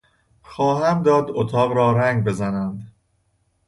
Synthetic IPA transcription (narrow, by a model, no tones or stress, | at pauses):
xɒːɦæmd̪ɒːd̪ot̪ʰɒːɣɾɒːɾæŋɡbe̞zænænd̪